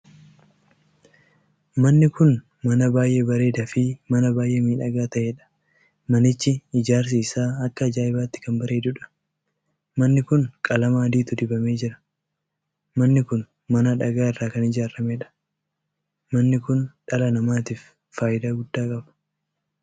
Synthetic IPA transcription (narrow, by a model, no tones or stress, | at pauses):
mɐnːɪkʊn | mɐnɐbaːjʔebɐɾe̞ːd̪ɐfɪmɐnɐbaːjʔemiːᶑɐɡaːt̪ɐʔeːᶑɐ̥ | mɐnɪt͡ʃːɪɪd͡ʒaːɾs̬iːsaːɐkːɐd͡ʒaːɪbaːt̪ːɪ̥kɐmbɐɾe̞ːd̪ʊᶑɐ̥ | mɐnːɪkʊnkʼɐlɐmaːɐd̪iːt̪ʊd̪ɪbɐme̞ːd͡ʒɪɾɐ̥ | mɐnːɪkʊn | mɐnɐᶑɐɡaːɪrːaːkɐnɪd͡ʒaːɾɐmeːᶑɐ̥ | mɐnːɪkʊnᶑɐlɐnɐmaːt̪iːf | faːjɪd̪aːɡʊd̪ːaːkʼɐbɐ̥